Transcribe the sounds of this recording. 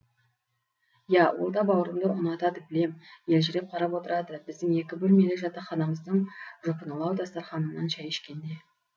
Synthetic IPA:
jɑwo̰lˠd̪ɑbɑwəɾəmd̪əʊnɑt̪ɑd̪əbɪle̞mje̞lʒɪɾe̞p̚qʰɑɾɑpwo̞t̪əɾɑd̪əbɪzd̪ɪŋe̞kʲɪbɵlme̞leʒɑt̪ɑχɑnɑməzd̪əɴʒopənəlˠɑwd̪ɑst̪ɑɾχɑnənɑnʃɑjeʃkʲe̞nd̪e̞

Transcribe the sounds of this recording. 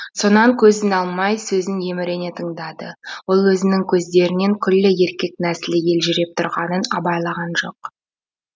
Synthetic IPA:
so̞nɑŋkʲʰɵzɪnɑlˠmɑjsɵzɪnje̞mɪɾe̞ne̞t̪ʰəɴd̪ɑd̪əwo̞lˠwɵzɪnɪŋkʲʰɵzd̪e̞ɾɪne̞ŋkʲʰʏlːɪje̞ɾkʲe̞k̚næsɪlɪje̞lʒʏɾe̞p̚t̪ʰʊɾʁɑnənɑbɑjlˠɑʁɑnʒo̞̰q

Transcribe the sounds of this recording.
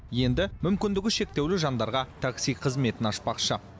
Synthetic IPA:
je̞nd̪ɪmʏmkʲɪnd̪ɪɡʲɪʃe̞k̚t̪e̞wlɪʒɑnd̪ɑɾʁɑt̪ʰaksijqʰəzme̞t̪ɪnɑspɑqʃə

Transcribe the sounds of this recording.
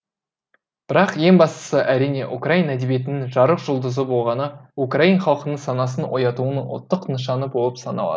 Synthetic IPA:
b̥ɪɾɑqje̞ŋbɑst̪ə̥səʔæɾijne̞ʔukrainæd̪e̞bije̞t̪ɪnɪŋʒɑɾəqʒʊlˠd̪əzəbo̞lˠʁɑnəukrainχɑlˠqənəɴsɑnɑs̬ənwo̞̰jɑt̪uənʊ̰t̪ːəqnəʃ̬ɑnəbo̞lˠəpsɑnɑlˠɑ̰d̪ə

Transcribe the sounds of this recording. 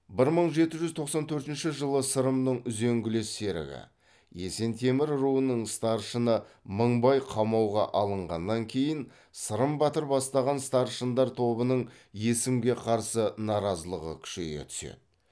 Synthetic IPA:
bɪɾməɴʒe̞t̪ɪʒʏzt̪ʰo̞qsɑnt̪ʰɵɾt̪ɪnʃɪʒəlˠəsəɾəmnəɴʏzeŋɡʲɪlese̞ɾɪ̰ɡʲɪ̰ | je̞̰se̞nt̪ʰe̞mɪɾɾuənəɴst̪ɑɾʃənəməɴbɑjqʰɑmɑwʁɑ̰ʔɑlˠəɴʁɑ̰nːɑŋkʲʰe̞jɪn | səɾəmbɑt̪əɾbɑst̪ɑʁɑnst̪ɑɾʃənd̪ɑɾt̪ʰo̞bənəɴ | je̞sɪmɡʲe̞qʰɑɾsənɑɾɑzəlˠəʁə̰kʲʰʏ̥ʃe̞̰ɡʲḛt̪ʰʏ̥sḛd̪ɪ

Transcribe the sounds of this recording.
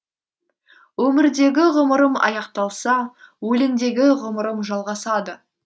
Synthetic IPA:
wɵmɪɾd̪e̞ɡʲɪʁʊməɾəmɑ̰jɑqt̪ɑlˠsɑwɵlɪnd̪e̞ɡʲɪʁʊməɾəmʒɑlˠʁɑsɑd̪ə

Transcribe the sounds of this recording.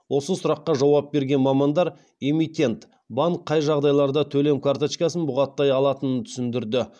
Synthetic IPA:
wʔo̞səsʊɾɑqːɑʒɑwɑp̚be̞ɾɡʲe̞nmɑmɑnd̪ɑɾ | e̞mit̪ʲe̞nt̪ | bɑɴkqʰːɑjʒɑʁd̪ɑjlˠɑɾd̪ɑt̪ʰɵle̞mkʰart̪ot͡ʃkɑsənbʊʁɑt̪ːɑjɑlˠɑt̪ənənt̪ʰʏ̥sɪnd̪ɪɾd̪ɪ

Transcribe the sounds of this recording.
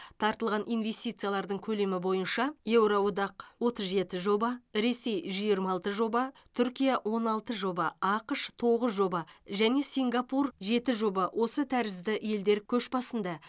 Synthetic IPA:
t̪ʰɑɾt̪əlˠʁɑnʔijnve̞st̪it̪sɨjalˠɑɾd̪əɴkʲʰɵle̞mɪbo̞jənʃɑje̞wɾowod̪ɑqwo̞t̪əzʒe̞t̪ɪʒo̞bɑɾe̞se̞jʒjiɾmɑlˠt̪əʒo̞bɑt̪ʰʏɾkʲijɑwʔo̞nɑlˠt̪əʒo̞bɑɑqəʃt̪ʰo̞ʁəzʒo̞bɑʒæne̞siŋɡapurʒe̞t̪ɪʒo̞bɑwʔo̞sət̪ʰæɾɪzd̪ɪʔe̞ld̪e̞ɾkʲʰɵʃbɑsənd̪ɑ

